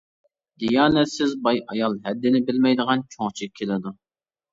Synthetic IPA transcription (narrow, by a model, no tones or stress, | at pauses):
d̪ijɑːnɛt̪sɪzbɑjɑjɑlˠɦɛd̪ːɪnɪbɪlmɛjd̪əʁɑnt͡ʃʰoŋt͡ʃʰikʲʰːelɪd̪u